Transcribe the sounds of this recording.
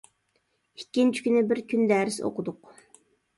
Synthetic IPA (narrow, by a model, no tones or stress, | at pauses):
ikʲːint͡ʃʰi̥kʲynɪbɪɾkʲʰynd̪æːɾɪso̰qʊd̪ʊq